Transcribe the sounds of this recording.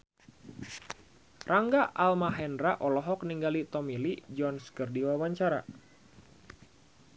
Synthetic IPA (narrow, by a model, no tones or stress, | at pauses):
raŋɡaʔalmaɦɛnɾaʔɔlɔɦɔk̚niŋɡalit̪ɔmilid͡ʒɔnskərdiwawaɲt͡ʃaɾa̰